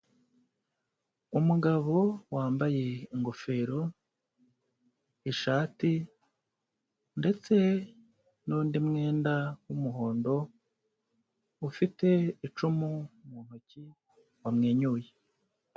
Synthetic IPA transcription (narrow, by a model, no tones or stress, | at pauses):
umuɡaβo̞waːmbaje̞iŋɡo̞fe̞ːɾo̞ | iʃaːti | nde̞t͡se̞ | nuːndimŋe̞ːndawumuɦo̞ːndo̞ | ufite̞it͡ʃumumuːn̥huci | wamŋeːɲuːje